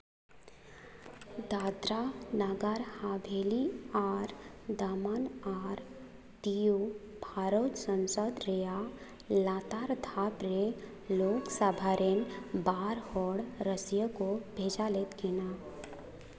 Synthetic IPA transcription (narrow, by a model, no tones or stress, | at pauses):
d̪aːd̪ɾanaɡəɾhabʱeːliaːɾd̪aːmanaːɾ | d̪iju | bʱaːɾot̪sə̃nsəd̪ɾeja | laːt̪aɾd̪ʱabɾe | loːksabʱaːɾenbaːɾhoːɽɾəsjəkobʱeːd͡ʒalet̪ɡɪna